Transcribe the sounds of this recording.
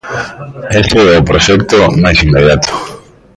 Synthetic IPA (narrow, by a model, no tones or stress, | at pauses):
eseopɾoʃek̚t̪onaesimːeð̞jat̪o̥